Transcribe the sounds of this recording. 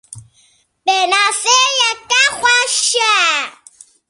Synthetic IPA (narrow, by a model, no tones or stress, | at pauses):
ɓenasejɛkaxwaʃa